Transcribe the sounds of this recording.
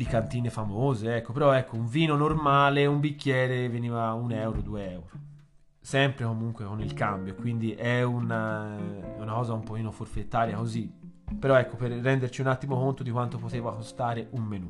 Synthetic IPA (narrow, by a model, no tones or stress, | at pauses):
d̪ikant̪iːnefamoːzeɛkːopeɾɔɛkːouɱviːnonormaːleumbikːjɛːɾeveniːvaunɛwɾod̪ueɛwɾo | sɛmpɾekomuŋkwekonilkambjokwind̪iʔɛuna | ɛunakɔːzaumpok̟iːnoforfet̪ːaːɾjakozi | peɾɔɛkːoperːɛnd̪eɾt͡ʃiunat̪ːimokont̪od̪ikwant̪opot̪eːvakost̪aːɾeʔummenu